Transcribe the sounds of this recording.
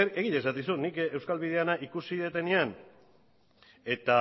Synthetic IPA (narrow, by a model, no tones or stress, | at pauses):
eɾe̞ɣiʎesat̪isut̪nikewskalβið̞e̞anaʔikusiðet̪e̞nian | e̞t̪a